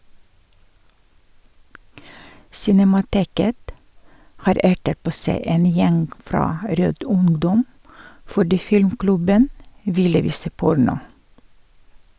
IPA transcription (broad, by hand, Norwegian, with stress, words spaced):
sɪnɛmɑˈteːkət ˈhɑːɾ ˈæʈət ˈpoː ˈsæɪ ˈeːn ˈjɛŋɡ ˈfɾɑː ˈɾøːd ˈʊŋdɔm fɔˈɖiː ˈfɪlmˌklʉbən ˈʋɪlə ˈʋiːsə ˈpʊɾnʊ